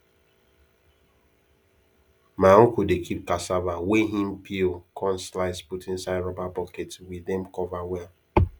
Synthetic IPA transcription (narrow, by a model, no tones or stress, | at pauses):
maokudekʰip̚kasavaweɦĩm̩pʰikʰɔ̃nslaɪsputĩn̩saɪdɹɔbabɔketwidɛm̩kɔvawɛ